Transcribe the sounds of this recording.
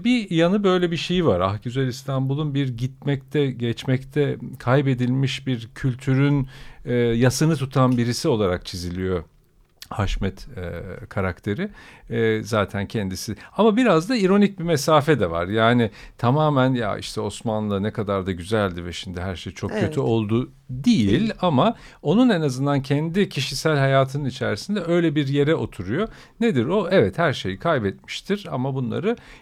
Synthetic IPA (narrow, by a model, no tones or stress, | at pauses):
bijanɯbø̞jlʲɛbiʃejivaɾa̰hcyzelist̪ʰanbulˠunbiɾɟit̪̚mɛc̚t̪ʰɛɟɛt͡ʃmɛct̪ʰɛkʰajbe̞d̪ilʲmiʃbiɾcʰylʲt̪ʰyɾynɛːjasɯnɯt̪ʰut̪ʰanbiɾisio̞lˠaɾak̚t͡ʃʰizilʲijo̞ | haʃmɛt̪ɛkʰaɾakt̪ʰe̞ɾɪ | zaːt̪ʰæncʰɛnd̪isiamabiɾazd̪aiɾo̞nic̚bimɛsaːfɛd̪ɛva̰ɾjaːnɪt̪ʰamaːmænja̰ḭʃt̪ʰɛo̞smanlˠanɛkʰad̪aɾd̪aɟyzælʲd̪ɪvɛʃimd̪ɪɦæɾʃejt͡ʃʰo̞kcʰø̞t̪ʰyo̞lˠd̪u | d̪ijilʲama | o̞nunenazɯnd̪ancʰɛnd̪icʰiʃisælʲhajaːt̪ʰɯnɯnit͡ʃʰæɾisind̪ɛø̞jlʲɛbiɾje̞ɾɛʔo̞t̪ʰuɾujo̞ | ned̪iɾo̞ɛvɛt̪hæɾʃe̞jikʰajbɛt̪̚mi̥ʃt̪ʰiɾa̰mabunlˠa̰ɾɯ